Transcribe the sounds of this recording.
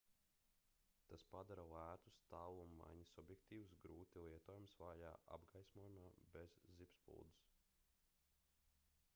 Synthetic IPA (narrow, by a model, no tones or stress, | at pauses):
t̪aspad̪aɾalˠæːt̪u̥st̪aːlˠumːa̰jɲisubjɛkt̪iːwusɡɾuːt̪ilˠiɛt̪ɔːjumsvaːja̰ːʔa̰bɡajsmuɔjumaːbezːipspṵlˠd̪u̥s